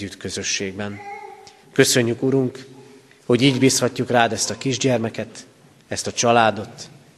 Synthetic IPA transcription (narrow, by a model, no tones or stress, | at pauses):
yt̪kø̞zø̞ʃːeːɡ̚bɛn | kø̞sø̞ɲːykuɾuŋk | ho̞ɟiːɟbiːshɒcːukraːd̪ɛst̪ɒkiʒɟɛrmɛkɛt̪ | ɛst̪ɒt͡ʃɒlaːd̪o̞t̪